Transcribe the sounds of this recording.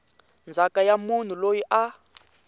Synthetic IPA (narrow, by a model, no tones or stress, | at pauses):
nd͡zʱakajamun̤ulojiʔa